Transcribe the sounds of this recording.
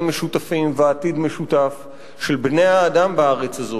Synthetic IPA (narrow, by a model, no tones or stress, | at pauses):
meʃutafimveat̪id̪me̞ʃutaf | ʃe̞lbnejaːdambaaʁet͡sazo